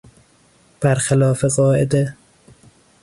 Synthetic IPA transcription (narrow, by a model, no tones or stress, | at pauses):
b̥æɾxalɒːfeɣɒːʔed̪e